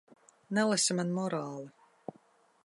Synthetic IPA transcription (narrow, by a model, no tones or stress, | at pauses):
nɛlˠasimanmɔɾaːlˠɨ